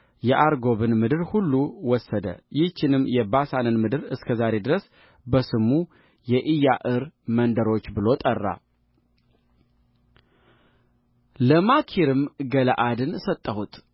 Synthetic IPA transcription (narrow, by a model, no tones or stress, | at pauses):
jɛʔaɾɡo̞βɨnmɨd̪ɨɾhulːuwɔsːəd̪ə̰jɪht͡ʃːɪnɨmjɛbasanɨnmɨd̪ɨɾɨskʰəzaɾe̞d̪ɨɾəs | bəsɨmu | jɛʔɨjaʔɨɾmənd̪əɾo̞t͡ʃːbɨlo̞t̪ʼərːa̰ | ləmakʰiɾɨmɡələʔad̪ɨnsət̪ʼːəhut̪ʼ